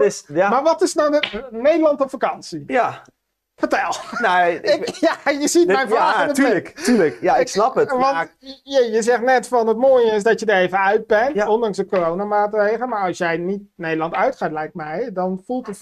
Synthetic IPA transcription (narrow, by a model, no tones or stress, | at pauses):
smaɹʋɔtɪsnawdənejdəlˠɑntɔfakɑnsij | fəɹtɛlˠnaɪkjajəzit̚mɛjnaːənətːəktyːləkjaɪksnɑpətʋɔnjəjəzɛχtnɛtfɔnətmoːjəɪsdɔtjədərejvənœɥd̚bɛnɔndɑŋsdəkorownamaːtrejχələmaɹɑlˠsjɛjnit̚nejdəlˠɑntœɥtχaːtlɛjk̚mɛjdɔnfulˠtə